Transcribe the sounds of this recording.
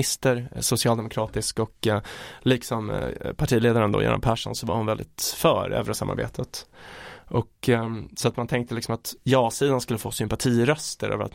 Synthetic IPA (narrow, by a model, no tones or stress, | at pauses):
ɪst̪əɾsʊsɪɑːld̪ɛmʊkʰɾɑːt̪ɪskɔkliːksɔmpʰaʈʰiːleːd̪aɾənd̪o̰ːjɛ̰ːna̰pʰæːʂɔ̰nsɔva̰ɾhʊnvɛld̪ɪ̰t̪fœːɾø̰ːvɾəsamːa̰ɾbḛːt̪ʰət̪ | ʔɔksɔat̪mant̪ʰɛŋk̚t̪əlɪksɔmat̪jɑːsiːd̪anskɵlːəfoːsʏmpaʈʰiːɾœst̪əɾø̰ːvəɾa̰t̪